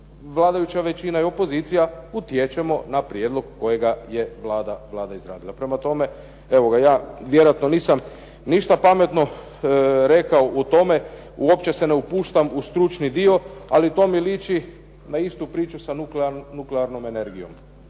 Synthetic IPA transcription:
ʋlˠaːd̪ajut͡ɕaʋe̞t͡ʃinajeo̞po̞ziːt̪sijaut̪jet͡ʃe̞mo̞napɾjed̪lˠo̞ɡːo̞je̞ɡaje̞ʋlˠaːd̪aʋlˠaːd̪aizɾa̰ːd̪ilapɾe̞mat̪o̞me̞ | eʋo̞ɡajaːʋjeɾojat̪no̞niːsam | niʃt̪apame̞t̪no̞ | ɾe̞kaout̪o̞me̞ | uo̞pt͡ɕe̞se̞neupuːʃt̪amust̪ɾut͡ʃnid̪io̞alit̪o̞ːmiliːt͡ʃi | naist̪upɾiːt͡ʃusauklnukleaɾno̞me̞ne̞ɾɡijo̞̰m

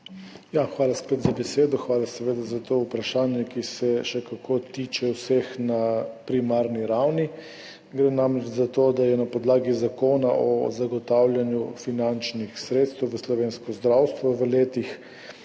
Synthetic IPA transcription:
jaxʋaːlaspet̪zabɛseːd̪ɔxʋaːlasɛʋeːd̪azat̪oːupɾaʃaːnjɛkisɛʃɛkakot̪iːt͡ʃɛwsexnapɾimaːɾniɾawni | ɡɾenamɾɛt͡ʃzat̪od̪ajɛnapɔd̪laːɡizakoːnaʔɔ̰zaɡɔt̪awlʲjanjufinant͡ʃnixsɾet̪st̪ɛwʋəslɔʋeːnskɔzd̪ɾawst̪ʋɔʋəleːt̪ix

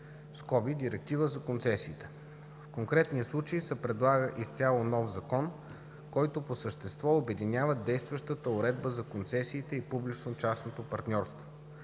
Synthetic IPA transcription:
skɔbid̪ʲiɾɛk̚t̪ivəzɐkont̪sɛsiːt̪ɛ̥ | fkoŋkɾɛt̪nijəslˠut͡ʃəisɛpɾɛd̪lˠaɡəʔist̪sʲalˠonɔfzɐkɔn | kɔjt̪oposəʃt̪ɛst̪vɔobɛd̪inʲavəd̪ɛjst̪vɐʃt̪ət̪əʊɾɛd̪bəzɐkont̪sɛsiːt̪ɛipublit͡ʃnot͡ʃasnot̪opɐɾt̪nʲɔɾst̪vo

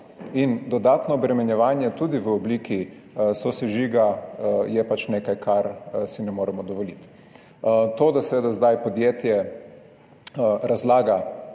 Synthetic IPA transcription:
ind̪ɔd̪aːt̪nɔːbɾɛmɛnjɛʋaːnjɛt̪ud̪iʋəɔbliːki | sosɛʒiɡajɛpat͡ʃneːkajkʰaɾsinɛmoːɾɛmɔd̪ɔʋɔlit̪ | t̪oːd̪asɛʋeːd̪azd̪ajpɔd̪jeːt̪jɛ | ɾazlaːɡa

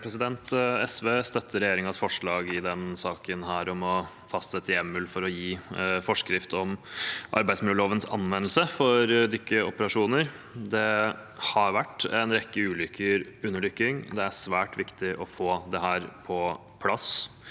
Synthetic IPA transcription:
pʰɾɛsɪd̪ɛnt̪ɛsʋeːst̪œt̪ʰːəɾɛjeːɾɪŋɑsfɔʂɭɑːɡɪd̪ɛnsɑːkənɦæːɾɔmɔ | fɑst̪sɛt̪ːəjɛmːʉːlfɔɾɔjiːfɔʂkɾɪft̪ɔmʔɑ̰ɾbæɪsmɪlːəloːʋənsɑ̰nʋɛnːlsəfɔɾd̪ʏkːəɔpəɾɑʂuːnəɾ | d̪ɛhɑɾʋæʈːɛnɾɛkːəʉːlʏkʰːəɾʉnːəɭʏkːɪŋd̪ɛæʂʋæːʈʋɪkt̪ɪʔɔfoːd̪ɛɦæːɾpʰɔ | pʰlɑs

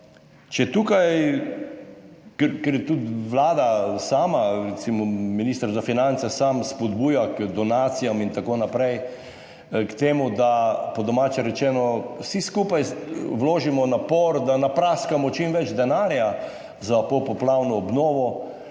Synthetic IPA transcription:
t͡ʃɛt̪ukaj | kɛkɛɾjɛt̪ut̪ʋlaːd̪asaːmaɾɛt̪simɔminiːst̪əɾzafinant̪sɛsamspɔd̪buːjakd̪ɔnaːt̪sijamint̪akoːnapɾɛj | kt̪eːmud̪apɔd̪ɔmaːt͡ʃɛɾɛt͡ʃɛːnɔsiskuːpajʋloːʒimɔnapɔɾd̪anapɾaskamɔt͡ʃimʋɛd͡ʒd̪ɛnaːɾja | zapopɔplawnɔːbnɔːʋɔ

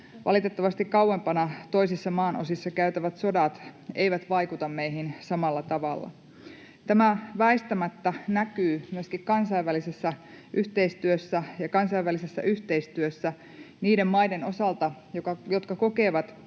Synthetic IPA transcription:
ʋʔɑ̰lit̪e̞t̪ːɑʋɑst̪ikkɑwːˑempɑnɑt̪o̞isisːɑmɑːnʔosisːɑkæyt̪æʋæt̪so̞dɑt̪e̞jʋæt̪ʋɑjkut̪ɑmːejɦinsɑmɑlːɑt̪ɑʋɑlːɑ̰ | t̪æmæʋæist̪æmæt̪ːænækyːmyøskikkɑnsɑjʋːælisesːæʔyht̪e̞ist̪yøsːæjɑkɑnsɑiʋːælisesːæ̰ʔyht̪e̞ist̪yøsːæ | niːde̞mːɑjde̞nosɑlt̪ɑjokɑjo̞t̪kɑko̞ke̞ːʋɑt̪

